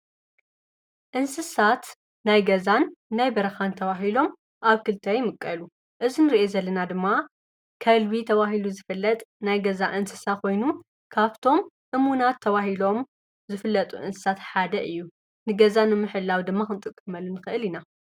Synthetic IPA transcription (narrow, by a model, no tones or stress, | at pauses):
ʔɨnsɨsat̪ | najɡɐzanːajbɐɾɐxant̪ʰɐβaɦilo̞m | ʔaβkɨlt̪ʰajmɨkʼːɐlu | ʔɨzinɨɾiʔezɐlːɐnad̪ɨmːa | kʰɐlβit̪ʰɐβaɦiluzɨfɨlːɐt̪ʼnajɡɐzaʔɨnsɨsako̞jnu | kʰaβt̪ʰo̞m | ʔɨmunat̪ʰːɐβahilo̞m | zɨfɨlːɐt̪ʼṵʔɨ̰nsɨ̥sat̪ħad̪ɐʔɨjːu | nɨɡɐzanɨmɨħɨlːawd̪ɨmːaxɨnt̪ʼɨkʼːɐmɐlːunɨxɨʔɨlina